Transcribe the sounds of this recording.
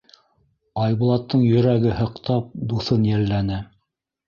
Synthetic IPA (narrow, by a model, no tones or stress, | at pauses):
ɑjβŭlˠɑt̪ːɤɴjɵ̆ɾæɡɘhɤ̆qt̪ɑp̚d̪uθɤnjælːænɘ